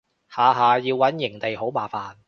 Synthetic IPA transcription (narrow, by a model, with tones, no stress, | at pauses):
haː˨˧ɦaː˨˧jiː˧wːɐ˨˥njɪ˨˩ŋt̪e˨jho˨˥wmaː˨˩faː˨n